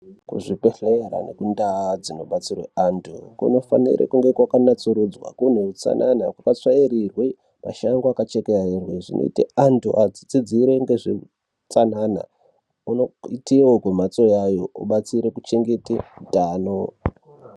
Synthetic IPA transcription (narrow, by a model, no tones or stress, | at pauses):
kṵʐipeɬera̰nḛkundad͡zino̞ɓat͡sirwḛantʰukṵno̞fa̰nḭɾʔḛkuŋɡe̞kwakanat͡suɾud͡zwa̰kun̤eut͡sa̰nʔanakwakat͡swaiɾirwe | ma̰ʃaŋɡoakat͡ʃekeaerweʐḭnʔo̰ḭteantuʔad͡zid͡zid͡ziɾeŋɡeʐe | t͡sanana̰ | unoitiwokwemat͡so̞jajo̞uɓat͡siɾekut͡ʃe̞ŋɡe̞tidaːno